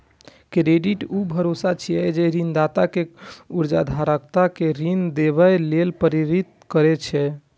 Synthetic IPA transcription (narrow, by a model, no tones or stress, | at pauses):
kɾeɖiʈubʱəɾosat͡ʃʰijɛd͡ʒeɾind̪at̪akeuɾd͡ʒa̰d̪ʱaɾəkt̪akeɾind̪eβɛjlelpəɾiɾit̪kəɾɛt͡ʃʰɛ